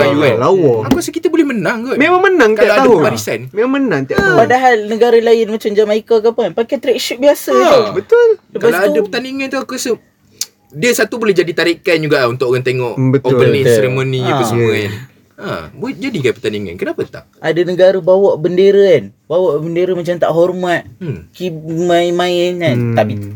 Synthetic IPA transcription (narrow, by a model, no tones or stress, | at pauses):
ajualawɔakusəkit̪əbolɛhmənaŋkɔmemaŋmənaŋkkalaaadapaɾisanmemaŋmənãŋt̪iapadaɦalnəɡaɾəlaɪnmat͡ʃamd͡ʒamaikak̬apənpakat̪əɾaʔiʃʊʔ̚biasabət̪ʊlsəpaaslaaudəpət̪aniŋant̪uakusə | diəsat̪ubolɛɦd͡ʒadit̪aɾiʔkand͡ʒuɡaunt̪ʊʔoɣaŋt̪eŋɔʔbət̪oənisːeɾemõniaəsəmuəjaŋ | a̰bod͡ʒadikanpərt̪aniŋã̰nkənapat̪a̰ʔʔadanəɡaɾəbawaʔbəndeɾəanbawaʔbəndeɾəmat͡ʃamt̪a̰ʔɦɔrmat̪̚kimajmãinant̪api